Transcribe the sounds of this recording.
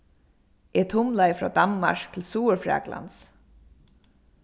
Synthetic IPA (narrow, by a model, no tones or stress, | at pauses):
ʔɛt̪ʰʊmlaɪfɾɔ̰ːd̪anma̰ʂk̚t̪ʰɪlsuːəɹfɹa̰ːɡla̰ns